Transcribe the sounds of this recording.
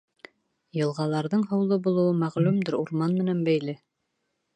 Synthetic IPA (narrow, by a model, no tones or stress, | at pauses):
jɤ̆lˠʁɑlˠɑɾðɤɴɦɤ̆wlˠɤbulˠɤ̆wɤmæʁlʉmd̪ɘɾuɾmɑnmɘ̆nænbæjlɘ